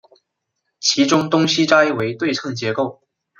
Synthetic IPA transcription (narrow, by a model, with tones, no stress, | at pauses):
t͡ɕʰi˧˥ʈ͡ʂʊ˥ŋt̪ʊ˥ŋɕi˥ʈ͡ʂa˥i˥˩we˧˥ɪt̪we˥˧ɪʈ͡ʂʰɤ˥˩ŋt͡ɕjɛ˧˥ko˥˩ʊ